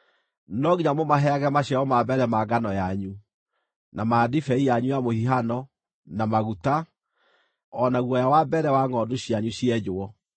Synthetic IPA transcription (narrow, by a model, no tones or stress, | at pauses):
nɔɣiɲamomaɦɛaɣɛmaɕaɔmabɛɾɛmaɡanɔjaɲu | namadifɛijaɲujamohiɦanɔ | namaɣuta | ɔnaɣwɔjawabɛɾɛwaŋɔdoɕjaɲuɕiɛd͡ʑoɔ